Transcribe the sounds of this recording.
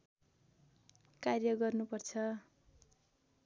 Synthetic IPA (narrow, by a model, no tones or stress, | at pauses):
karjʌɡʌrnupʌrt͡sʰʌ